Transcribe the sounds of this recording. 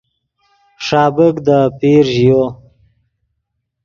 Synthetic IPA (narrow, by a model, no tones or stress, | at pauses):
ʂɑːbəkd̪əpiɾʒjo